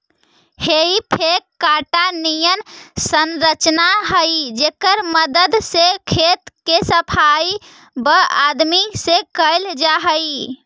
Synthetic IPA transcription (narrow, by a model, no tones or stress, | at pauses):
heipʰekːaʈanijənsənɾət͡ʃnaɦəjd͡ʒekəɾməd̪əd̪sekʰet̪kesəpʰaj | bəad̪misekəɪld͡ʒaɦəi